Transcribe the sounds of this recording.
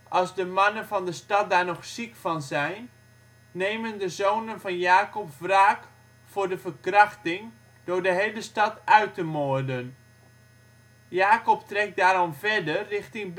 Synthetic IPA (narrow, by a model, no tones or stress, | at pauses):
ʔɑlˠzdəmɑnənfɑndəstɑt̚daːɹnɔxsikfɑnzɛjnː | eːməndəzoːnənfɑnjaːkɔpfraːk | fʊrdəfərkrɑxtɪŋ | d̥ʊdəɦejləstɑtœɥtəmodən | jaːkɔptrɛk̚daːɾɔmvɛdərːɪxtɪŋb